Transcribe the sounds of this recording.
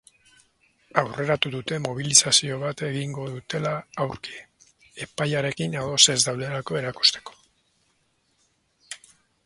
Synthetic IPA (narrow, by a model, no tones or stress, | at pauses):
awre̞ɾat̪uðut̪e̞mo̞β̞ilisasio̞β̞at̪e̞ɣiŋɡo̞ðut̪e̞laːwɾki̥ | e̞pajaɾe̞kinaðo̞se̞zd̪awðe̞lako̞e̞ɾaku̥st̪e̞̥ko̥